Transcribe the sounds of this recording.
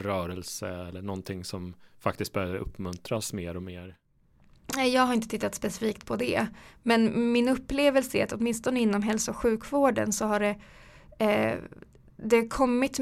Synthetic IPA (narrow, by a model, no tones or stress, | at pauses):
ɾœːɾɛlsə̰ɛlːəɳɔnt̪ʰɪŋsɔmfak̚t̪ɪst̪̚bɛøvəɾɵ̰pːmɵnt̪ɾasmeːɾɔmeːɾ | nɛjɑːɡhaɾɪnt̪ət̪ɪt̪ːat̪spɛsɪfiːkt̪pʰɔd̪ɛ̰mɛnmɪnɵpːleːvəlsəæɾat̪ɔt̪mɪnst̪ɔnəɪnːɔmɦɛlsʊɧʉ̟ːkvoːɖə̰nsɔɦaɖɛ | d̪ɛkʰɔmːɪt̪